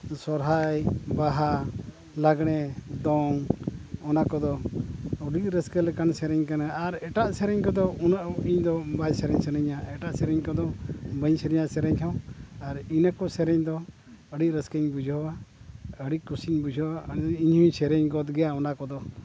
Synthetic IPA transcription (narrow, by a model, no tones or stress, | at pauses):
sɔɾɦajbaɦa | laɡɽɛd̪ɔŋɔnakɔd̪ɔɔɖic̚ɾəskəlɛkansɛɾɛɲkanaaɾɛʈaʔsɛɾɛɲkɔd̪ɔunaʔiɲd̪ɔbajsɛɾɛɲsɛɾɛɲaɛʈaʔsɛɾɛɲkɔd̪ɔbəɲsɛɾɛɲaʔsɛɾɛɲt̪ʰawaɾinakɔsɛɾɛɲd̪ɔ | əɖic̚ɾəskəɲbud͡ʒʱɔwaəɽickusiɲbud͡ʒʱɔwaiɲhũɲsɛɾɛɲɡɔt̪ɡɛjaɔnakɔd̪ɔ